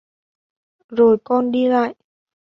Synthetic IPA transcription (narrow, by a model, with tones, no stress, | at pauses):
zo˨˩jkɔ˧nɗi˧la̰ː˧˨j